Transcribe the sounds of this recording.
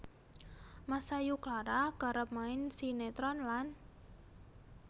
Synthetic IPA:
masajuklaɾaɡ̥a̤ɾəp̚maɪnsinet̪ɾɔnlan

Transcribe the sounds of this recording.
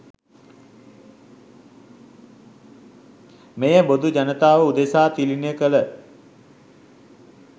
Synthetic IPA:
mejəbod̪ud͡ʒanət̪aːʋəud̪esaːt̪ilinəjəkələ

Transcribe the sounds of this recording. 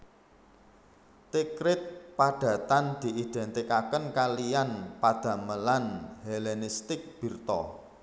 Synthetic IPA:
t̪ikɾɪt̪̚paɖ̪̥ä̤t̪and̪̥i̤ʔid̪̥ɛ̤nt̪ikakənkalijanpad̪̥ä̤məlanhelenist̪ɪk̚b̥i̤rt̪ɔ

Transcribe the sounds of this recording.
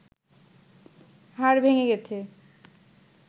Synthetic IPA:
ɦaɾbʱeŋeɡɛtʰe

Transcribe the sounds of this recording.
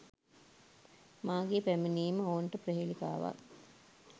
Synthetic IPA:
maːɡepæmeniːməoːnʈəpɾeɦelika̰ːʋa̰

